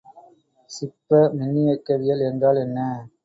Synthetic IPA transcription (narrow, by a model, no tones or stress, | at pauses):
sɪpːɐmɪnːɪjɐkːɐðɪjɐlɛndraːlɛnːɐ